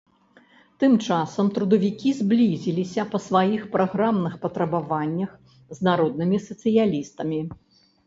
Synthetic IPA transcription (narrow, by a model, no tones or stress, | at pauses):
t̪ɨmt͡ʂasɐmt̪ɾud̪ɐvʲikʲizʲblʲizʲilʲisʲɐpɐsvajixpɾaɣɾamnɨxpɐt̪ɾɐbavanʲːɐx | znaɾɔd̪̚nɨmʲisɐt̪sɨjalʲist̪ɐmʲi